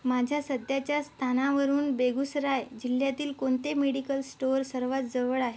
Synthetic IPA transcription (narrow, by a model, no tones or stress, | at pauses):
mad͡ʑʱjasəd̪jat͡ɕjast̪ʰanaʋəɾuːnbeɡusɾajd͡ʑiljat̪iːlkoɳt̪emeɽikəlsʈoɾsəɾʋat̪d͡zəʋəɭaɦe